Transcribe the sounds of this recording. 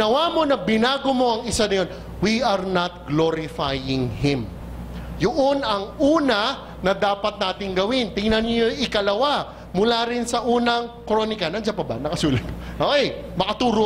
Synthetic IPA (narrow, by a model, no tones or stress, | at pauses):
nɐwamo̞nɐbɪnaːɡomo̞ʔɐŋɪsanɐjo̞n | wiʔɐɹnɐt̪̚ɡloɾɪfajɪŋhɪm | jʊʔonɐŋuːnɐ | nɐd̪aːpɐt̪̚naːt̪ɪŋɡɐwɪnt̪ɪŋnɐnoɪkɐlɐwa | mʊlaɾɪnsɐʔuːnɐŋkɾonɪkɐnɐnd͡ʒapɐbɐ̰nɐkɐsuːlɐt̪̚moʔoʔɛjmɐkɐt̪uːɾo